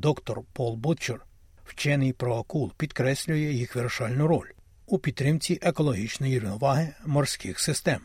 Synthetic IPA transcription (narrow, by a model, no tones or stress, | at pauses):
d̪ɔkt̪ɔrpɔlˠbut͡ʃɔr | wt͡ʃɛnɪjpɾɔɐkulˠpʲid̪kɾɛsʲlʲʊjɛjixʋerʃɑlʲnʊɾɔ̰lʲ | upʲid̪̚t̪ːɾɪmt͡sʲiʔekɔlˠɔɦʲit͡ʃnɔjiʋɪnɔʋɑɦɪmɔrsʲkɪxsɪst̪ɛm